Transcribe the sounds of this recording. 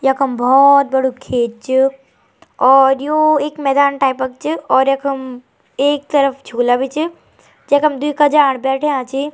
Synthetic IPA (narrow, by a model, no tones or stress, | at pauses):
jɐkʰəmbɔːt̪̚bɐɽukʰeːd͡ʒ̚t͡ʃʰɨ | ɔːɾjoeːkmɛːd̪aːnʈaːɪpək̚t͡ʃɨɔːɾjɐkʰɐm | eːk̚t̪ɐɾəfd͡ʒʱuːlabʱit͡ʃʰɨ | d͡ʒekɐmd̪uikad͡ʒaːɽbɛːʈʰeãːt͡ʃi